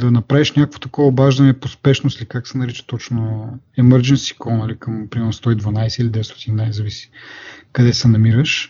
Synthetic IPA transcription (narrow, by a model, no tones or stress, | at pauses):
d̪ɐnɐpɾaviʃnʲakəkvo̥t̪ɐkɔvəobaʒd̪ɐnɛpospɛʃnost̪likaksɛnɐɾit͡ʃə̥t̪ɔt͡ʃnoɛməɾd͡ʒɛnsi̥kɔnɐlikɐmpɾimɛɾnst̪ɔid̪vɐnajsɛilid̪ɛvɛst̪ɔ̥t̪innajzɐvisi̥kɐd̪ɛsɛnɐmiɾəʃ